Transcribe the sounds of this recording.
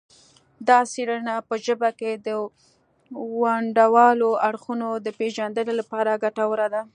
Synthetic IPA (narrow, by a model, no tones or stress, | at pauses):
d̪ɑsiɽənapəʒəbaked̪ə | waɳɖawɑloaɽxunod̪əpeʒand̪əlolapɑɾaɡaʈawəɾad̪a